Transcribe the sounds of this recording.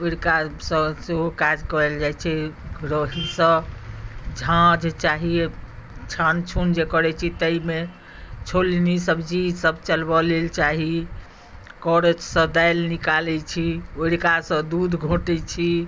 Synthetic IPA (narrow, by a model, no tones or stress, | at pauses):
oɽkasə̃seɦokad͡ʒkəɾɛld͡ʒajt͡ʃʰɛɡɾəɦisə̃ | d͡ʒʱãd͡ʒt͡ʃaɦiet͡ʃʰant͡ʃʰund͡ʒekəɾɛt͡ʃʰit̪əime | t͡ʃʰolnisəbd͡ʒisəbʱt͡ʃəlbəlelt͡ʃaɦi | kɔɾed͡ʒsə̃d̪ajlnikalɛt͡ʃʰioɽkasə̃d̪ud̪ʱɡʱoʈɛt͡ʃʰi